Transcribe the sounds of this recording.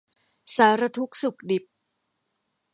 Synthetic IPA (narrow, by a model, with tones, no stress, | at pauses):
saː˩˦ɾa˧t̪ʰu˦˥k̚su˨˩k̚di˨˩p̚